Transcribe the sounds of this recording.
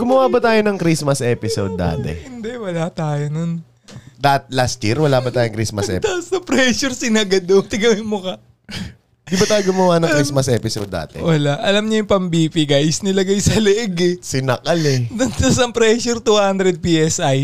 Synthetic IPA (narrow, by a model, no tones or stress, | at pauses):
ɡʊmɐwabɐt̪aːjonɐŋkɾismɐsʔɛpɪsod̪̚ːa̰ːt̪ɛ̰hɪnd̪ɛʔwɐlat̪aːjonon | d̪at̪̚last̪jḭɾwɐlaːbɐt̪aːjoŋkɾismɐsʔɛ̰t̪asɐpɾɛʃʊɾsɪnɐɡɐd̪ot̪ɪɡɐwɪnmokɐ | d̪ɪbɐt̪aːjoɡʊmɐwanɐŋkɾismɐsʔɛːpɪso̰d̪ːa̰ːt̪ɛ̰wɐlaʔɐlɐmɲɐjʊŋpɐmbiːpiɡajsnɐlɐɡajsɐlɛʔɛɡɛsɪnɐkɐlɛɐnt̪ɐsɐmpɾɛːʃʊɾt̪uːhand̪ɾɛd̪̚piːʔɛsʔaj